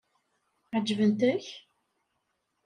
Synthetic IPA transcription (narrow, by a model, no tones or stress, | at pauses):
ʕəd͡ʒːvənt̪æç